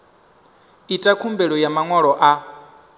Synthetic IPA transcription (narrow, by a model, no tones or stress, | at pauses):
itʼakʰumbɛɺɔjamaŋwaɺɔʔa